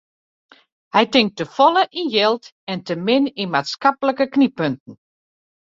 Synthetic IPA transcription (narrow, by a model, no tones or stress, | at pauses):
hɛjtɪŋk̚təfɔləʔinjɛlˠt | ɛntəmɪninmaːtskapələkəknipøntn̩